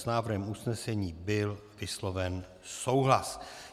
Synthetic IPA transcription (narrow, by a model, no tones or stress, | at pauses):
snaːvr̩ɦɛmusnɛsɛɲiːbɪlvɪslo̞vɛn | so̞wɦlas